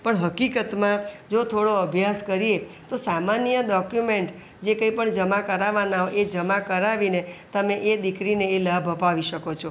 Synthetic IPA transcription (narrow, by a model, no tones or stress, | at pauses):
pəɳɦəkikət̪mãd͡ʒot̪ʰoɽoəbʱjaskəɾiet̪osamanjəɗɔkjumeɳʈ | d͡ʒekə̃ĩpəɳd͡ʒəmakəɾaʋanaoʔed͡ʒəmakəɾaʋinet̪əmeʔed̪ikɾineːlabʱəpaʋiʃəkot͡ʃʰo